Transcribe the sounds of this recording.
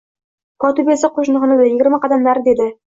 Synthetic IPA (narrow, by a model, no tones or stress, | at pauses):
kɒt̪ubesɪqʰoʃnɨʁnɪd̪ajɪɡʲɪɾmaqɑd̪amlaɾɪd̪e̞d̪ɪ